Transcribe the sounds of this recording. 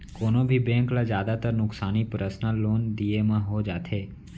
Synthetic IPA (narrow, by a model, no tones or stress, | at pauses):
konobʱibɛ̃ŋklad͡ʒjad̪at̪əɾnʊksanipɾəsnalond̪iemãɦod͡ʒat̪ʰe